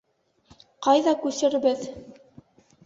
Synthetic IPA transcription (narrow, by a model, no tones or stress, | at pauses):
qɑjðɑkʉsɘ̆ɾbɘð